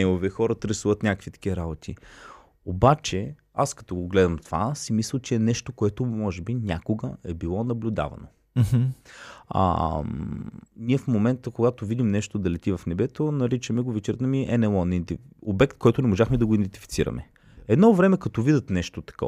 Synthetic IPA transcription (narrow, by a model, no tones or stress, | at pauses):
ɛovɛxɔɾət̪ɾɛsuvət̪nʲakəkvit̪ɐ̥k̟iɐɾabot̪ʰḭ | obat͡ʃɛ | askɐ̥t̪ɔɡoɡlɛd̪ɐmt̪va̰simisəlˠt͡ʃɛːnɛʃt̪okoɛt̪omɔʒɛbinʲakoɡəɛbilˠɔnɐblʲʊd̪a̰vɐ̰no̰ | ə̰ | niɛfmomɛnt̪əkoɡat̪ovid̪imnɛʃt̪od̪ɐlɛt̪ivɐfnɛbɛt̪onɐɾit͡ʃəmɛɡovɛt͡ʃɛɾt̪ɐmiʔɛnɛlˠɔnt̪iobɛkt̪koɔjt̪onɛmoʒaxmɛd̪ɐɡoid̪ɛnt̪i̥fit̪siɾɐ̰mɛ̰ | ɛd̪nɔvɾɛmɛkɐt̪ɔvid̪ət̪nɛʃt̪ot̪ɐ̥kɔ̰